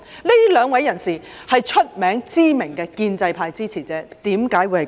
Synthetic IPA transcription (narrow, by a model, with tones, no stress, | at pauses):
le˥lœː˨˧ŋwɐ˨˥jːɐ˨˩nsiː˨ | hɐ˨jt͡ʃʰɵ˥t̚mɛː˨˥ŋt͡siː˥mɪ˨˩ŋkɛː˧kiː˧nt͡sɐ˧jpʰaː˧jt͡siː˥t͡sʰiː˨˩t͡sɛː˨˥t̪iː˨˥mkaː˨˥jwu˨˧jhɐ˨˩